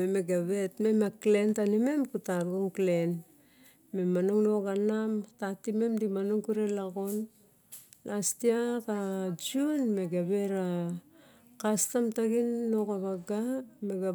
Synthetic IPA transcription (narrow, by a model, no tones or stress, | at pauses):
emeɡaβe̞tme̞makle̞ntanime̞mkutaɾoŋklen | me̞manoŋnoɡanamtatime̞mdimanoŋkuɾe̞laɡo̞n | lastiakad͡ʒunme̞ɡaβe̞ɾa | kastamtaɡinːo̞kaβaɡameɡa